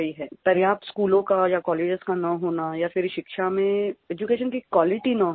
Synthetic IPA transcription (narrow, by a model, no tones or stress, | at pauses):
iɦɛːp̪ɐɾjaːt̪skuːlõkajakɔːleːd͡ʒəzkanɐɦoːnajafɪɾʃɪkʃamẽeːd͡ʒukeːʃənkikwaːlɪʈinɐɦ